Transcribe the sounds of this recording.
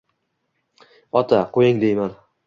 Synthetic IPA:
ɒt̪ʰaqʰojɪŋd̪ejman

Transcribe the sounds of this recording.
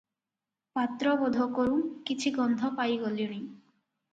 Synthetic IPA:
pat̪ɾɔbɔd̪ʱɔkɔɾũkit͡ʃʰiɡɔnd̪ʱɔpajɡolioɽ̃i

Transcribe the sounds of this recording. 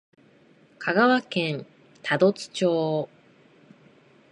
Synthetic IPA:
kʰaɡaβakẽ̞n | t̪ʰad̪o̞t͡sɨ̥t͡ɕo̞ː

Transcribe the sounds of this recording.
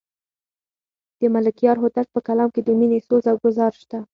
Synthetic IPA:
d̪̥əmalɪkijɑɾɦʊt̪alt̪̚pəkalɑmked̪əminesozawɡʊzɑɾʃt̪a

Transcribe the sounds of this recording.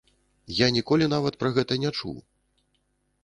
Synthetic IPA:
janʲikɔlʲin̪avɐt̪̚pɾɐɣɛt̪ɐnʲat͡ʂṵw

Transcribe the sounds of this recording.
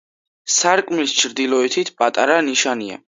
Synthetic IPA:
saɾkʼmist͡ʃʰɾd̪ilˠɔɛt̪ʰit̪ʰpʼat̪ʼaɾaniʃania̰

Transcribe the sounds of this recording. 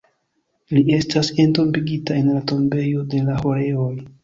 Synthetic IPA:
lie̞stase̞nto̞mbiɡitae̞nlato̞mbe̞jo̞de̞laho̞ɾe̞o̞j

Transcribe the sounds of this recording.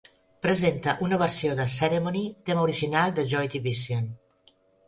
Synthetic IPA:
pɾəzent̪əʔunəβ̞əɾsioðəseɾemonit̪eməuɾiʒinalˠd̪əʒɔjt̪iβisjon

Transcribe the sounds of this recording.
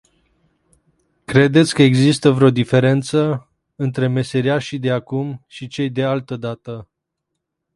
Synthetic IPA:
kɾe̞d̪e̞t̪sʲkəeɡzist̪əvɾeo̞d̪ife̞ɾe̞nt̪sə | ɨnt̪ɾe̞me̞seɾiaʃid̪eakumʃit͡ʃe̞jd̪e̞alt̪əd̪at̪ə

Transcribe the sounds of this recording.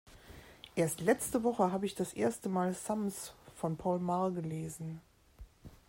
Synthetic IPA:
ʔeːɐstlɛt͡stəvɔχəɦaːbəɪçd̥asʔeːɐstəmaːlsamsfɔnpʰɔʊlmaɐɡəleːzn̩

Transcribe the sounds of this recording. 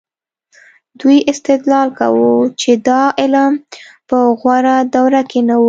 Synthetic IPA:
d̪ujɪst̪ɪd̪lɑlka̰wut͡ʃed̪ɑʔɪlɑmpəɣwaɾad̪awɾakenawu

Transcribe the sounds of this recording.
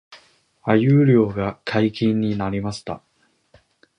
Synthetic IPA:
ajɯːɾʲo̞ːɡakʰaikʲĩɲ̟ːinaɾʲimaɕi̥t̪a̰

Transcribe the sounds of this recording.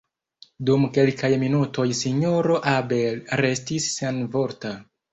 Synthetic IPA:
dumke̞lkajminuto̞jsiɲoɾo̞ʔabelɾe̞stisːanvo̞ɾta

